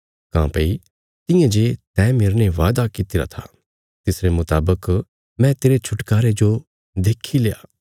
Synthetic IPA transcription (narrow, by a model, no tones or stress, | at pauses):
kã̰ːpei | t̪ɪ̃jãd͡ʒet̪ɛ̃ːmeɾneʋaːd̪akɪt̪ɪɾa̰t̪ʰa̰ | t̪ɪsɾemʊt̪aːbək | mɛ̃t̪eːɾet͡ʃʰʊʈkaːɾed͡ʒo | d̪eːkʰileja̰ː